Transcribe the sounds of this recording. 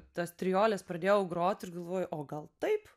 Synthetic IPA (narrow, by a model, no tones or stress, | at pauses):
t̪ɐst̪ʲɾʲɪjoːlʲɛspɾɐd̪ʲeːjɛʊɡɾoːt̪ʲɪrɡɐlˠʋoːjʊʔoːɡɐlˠt̪ɐɪp